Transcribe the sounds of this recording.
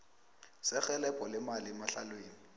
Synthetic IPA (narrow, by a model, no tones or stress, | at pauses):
sɪk͡xɛlɛpʼɔlɪmalɪmaɬalweːŋi